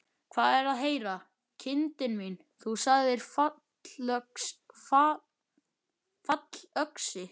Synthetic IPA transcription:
kʰvaːðɛɾaðɦeːjɾa | cʰɪnt̪ɪnmin | θusaɣðɪɾ̥fa | œksfa | fat̪l̥œksɪ

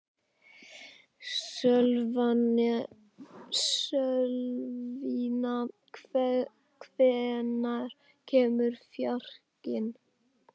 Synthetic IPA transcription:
sœlvanɪ | sœlvina | kʰvɛːnaɾ̥ | cʰɛːmʏɾ̥fjar̥cɪn

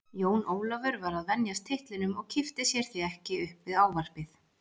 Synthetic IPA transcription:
joːwnʔoːwlɔvʏɾvaɾaðvɛnjast̪ʰɪht̪lɪnʏmɔɣcʰɪft̪ɪsjɛɾ̥θiɛhcɪʏhpvɪðaːwvar̥pɪθ

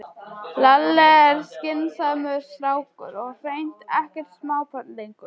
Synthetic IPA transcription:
lalːɛɛɾ̥scɪnsamʏst̪ɾaːwkʏ̰ɾɔɣr̥ejn̥t̪ɛhcɛɾ̥t̪smaːwpʰœt̪llejŋkʏɾ̥

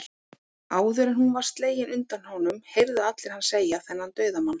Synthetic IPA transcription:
aːwðʏɾɪnhunvḁst̪leːjɪnʔʏnt̪anhɔwnʏmhejɾðaat̪lɪɾ̥hanseːjaθɛnːant̪œːɥðamanː

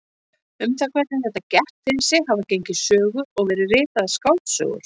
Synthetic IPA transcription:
ʏmθakvɛt̪nɪmθɛht̪ːacɛht̪fɪɾɪnsɪɦavacejɲcɪsœːɣʏɔɣvɛːɾɪrɪːt̪aðaskaw̪t̪sœ̰ːɣʏ̰ɾ̥

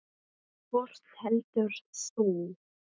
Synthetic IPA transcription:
fɔr̥t̪hɛlt̪ʏɾ̥suːn

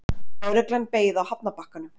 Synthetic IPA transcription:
ɔɾɛklanpeːjðawhapnapahkanʏ

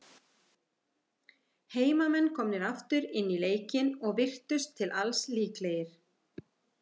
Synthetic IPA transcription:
heːjmamɛnːkʰɔmnɪɾaft̪ʏɾɪnːileːjcɪnɔɣvɪr̥t̪ʏst̪ʰːɪlʔalsliːklejɪɾ̥

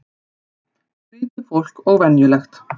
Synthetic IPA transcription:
ɪːt̪ɪfowl̥kɔɣvɛnjʏlɛxt̪

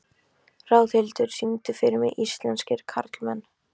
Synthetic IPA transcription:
raːwθhɪlt̪ʏɾ̥simt̪ʏfɪɾmɪʔist̪lɛnscɪɾ̥kʰaɾt̪lmɛnː

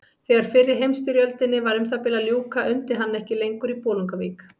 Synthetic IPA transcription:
θɛːɣaɾ̥fɪrːɪɾɦejmst̪ʏɾjœlt̪ɪnːɪvaɾʏmθapɪlaljuːwkaʔʏnt̪ɪɦanːɛhcɪlejŋkʏɾipɔːluŋkaviːk

